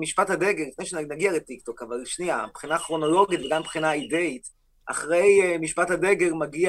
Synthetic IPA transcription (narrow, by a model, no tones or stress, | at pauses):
miʃpathade̞ɡeʁlifnejʃenaɡialet̪ikt̪o̞kavalʃniabχinaːχʁo̞no̞lo̞ɡitveɡampχinaide̞it | ʔa̰χʁe̞jmiʃpathad̪e̞ɡe̞ʁmaɡia